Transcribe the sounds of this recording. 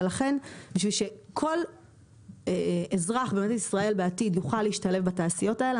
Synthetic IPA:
laχe̞nbiʃvilʃe̞kʰo̞l | ezʁaχbematatisʁae̞lbeatidjuχalːeiʃtale̞fbataːsijo̞tael

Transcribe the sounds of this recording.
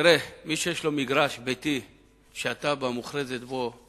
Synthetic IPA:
ɾemiʃejeʃlo̞miɡɾaʃbet̪i | ʃeat̪abamuχɾezet̪bo

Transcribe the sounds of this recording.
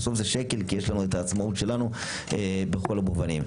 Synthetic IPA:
so̞fzeʃe̞ke̞lkije̞ʃlanuetaːt͡smautʃe̞lanu | ebexo̞labovanim

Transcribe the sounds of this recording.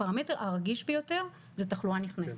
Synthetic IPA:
aʁameteʁʔaʁɡiʃbejote̞ʁ | zetaχluaniχnes

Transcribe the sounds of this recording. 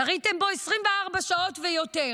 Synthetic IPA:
aʁite̞mbo̞esʁimveaʁbaʃao̞tvejo̞te̞

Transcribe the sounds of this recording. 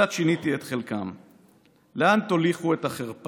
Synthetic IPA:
at̪ʃinit̪iet̪χe̞lkam | leant̪oliχue̞t̪aχeʁp

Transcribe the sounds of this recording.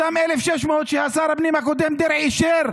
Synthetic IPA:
amʔelefʃeʃmoːt̪ʃehasaɾabnimhakod̪emd̪eɾʕiʃeɾ

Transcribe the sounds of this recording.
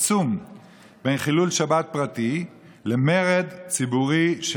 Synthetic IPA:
t͡sum | bejnχilulʃabat̪̚pʁat̪i | lemeʁed̪t͡sibuʁiʃ

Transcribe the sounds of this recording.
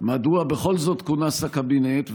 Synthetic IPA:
maduabeχo̞lzo̞t̪kunasakabinetv

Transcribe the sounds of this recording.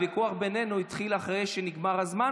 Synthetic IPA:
vikuaχbe̞nenuit̪χilaχʁejʃeniɡmaʁhazma

